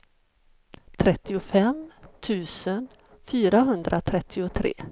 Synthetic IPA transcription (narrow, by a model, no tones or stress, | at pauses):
t̪ʰɾɛt̪ːɪʊfɛmt̪ʰʉ̟ːsən | fyːɾaɦɵnd̪ɾʔat̪ʰɾɛt̪ʰːɪʊt̪ʰɾḛː